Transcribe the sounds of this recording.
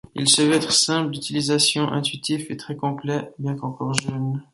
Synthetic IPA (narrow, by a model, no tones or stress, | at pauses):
ḭlsəvɛɛt̪χsɛ̃pld̪yt̪ilizasjɔ̃ʔɛ̰̃t̪ɥit̪ifet̪χɛkɔ̃plɛbjɛ̃kɑ̃kɔʁʒœn